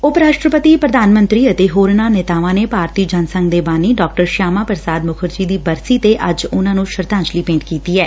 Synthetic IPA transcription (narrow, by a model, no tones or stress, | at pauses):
opɾaːʃʈɾəpət̪iːpɾəd̪aːnmə̃nt̪ɾiːət̪eːɦoːɾnaːnɛːt̪aːʋãːnepaːɾt̪iːd͡ʒənsə̃ŋɡd̪eːbaːniːɖɔːk̚ʈəɾʃaːmãːpɾəsaːd̪mʊkʰəɾd͡ʒiːd̪iːbəɾsiːt̪eʔəd͡ʒʊnãːnũːʃəɾt̪ãːɲt͡ʃliːpẽːɳʈkiːt̪iːɛː